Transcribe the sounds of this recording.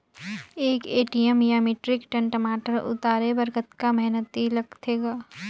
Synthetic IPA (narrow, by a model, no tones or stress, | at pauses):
eːkeːʈijəmjaːmiʈɾɪkʈə̃ɳʈəmaːʈəɾʊ̰t̪aːɾebɐɾkət̪kamɛɦnət̪ilɐɡt̪ʰeːɡaː